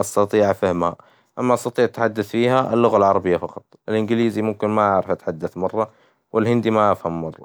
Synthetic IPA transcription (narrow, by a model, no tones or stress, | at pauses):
ʔɑst̪ɑt̪ˤiːʕfɪhmha̰ | ʔamːaʔɑst̪ɑt̪ˤiːʕat̪ħad̪ːaθfiːhaʔɪ̰lːʊɣalʕɑɾˤɑbɪjːafɑqɑt̪ˤʔɪlʔɪnɡɪliːzimʊmkɪnmaʔaʕɾɪfʔat̪ħad̪ːaθmɑrˤːɑ | wʔɪlhɪnd̪imaʔafhamːɑrˤːɑ̰